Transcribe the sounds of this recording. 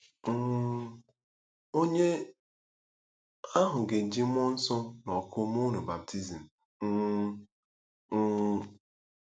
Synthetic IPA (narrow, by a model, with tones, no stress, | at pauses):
o˦ɲe˦ | a˦ɦʊ˨ɡe˨d͡ʒi˦m˦ɔ˦n̩˦sɔ˦nɔ˨kʊ˦m˦ʊ˦nʊ˨ba˨p̚tʰi˦zi˨m̩˨˦